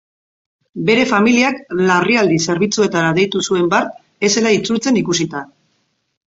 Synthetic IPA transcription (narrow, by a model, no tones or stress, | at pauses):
be̞ɾe̞familiaklariald̪ise̞ɾβ̞it͡sue̞t̪aɾað̞e̞jt̪usue̞mbaɾt̪ | e̞selait͡sult͡se̞nikus̬it̪a